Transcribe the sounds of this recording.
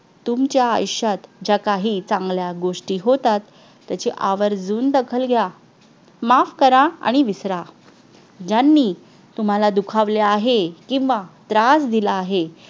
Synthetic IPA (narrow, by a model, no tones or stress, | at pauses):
t̪umt͡ɕja̰ːjɕjat̪d͡ʑjakaɦiːt͡sãŋɡljaɡoʂʈiːɦot̪at̪ː | jat͡ɕeʔaʋəɾd͡zuːnd̪əkʰəlɡʱja | mafkəɾaa̰ɽ̃iʋisɾa | d͡ʑanːiː | t̪um̤alad̪ukʰaʋleaɦekĩw̃ʋat̪ɾasd̪ilaːɦe